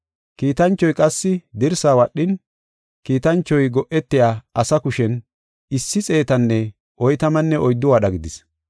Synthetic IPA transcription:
kiːt̪ɐnt͡ʃːɔjkʼɐsːɪd̪ɪɾsaːwɐɗːɪn | kiːt̪ɐnt͡ʃːɔjɡɔʔɛt̪ːɪjaːʔɐsɐkʊʃɛn | ɪsːɪt͡sʼe̞ːt̪ɐnːɛ | ʔɔjt̪ɐmɐnːɛʔɔjd̪ːʊwaːɗɐɡɪd̪ɪs

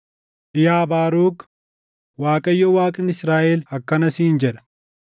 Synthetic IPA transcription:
ʔɪjaːbaːɾuːɡ | waːkʼɐjːɔwaːkʼɪnɪsɾaːʔɛlɐkːɐnɐsiːnd͡ʒɛᶑɐ̥

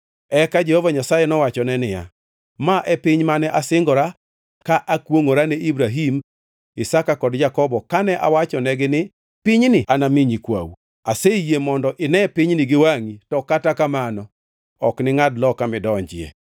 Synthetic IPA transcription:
ɛkad͡ʒɛhovaɲasajɛnɔwat͡ʃɔnɛnɪja̰ | maʔɛpɪɲmanɛʔasɪŋɡɔɾa | kaʔakwoŋoɾanɛibɾaɦim | ɪsakakɔdd͡ʒakɔbɔkanɛʔa̰wat͡ʃɔnɛɡɪnɪ | pɪɲnɪʔanamiɲikwa̰w | asejemɔndɔʔɪnɛpɪɲnɪɡɪwaŋitɔkatakamanɔ | ɔknɪŋadlɔkamɪdɔɲd͡ʒɪḛ

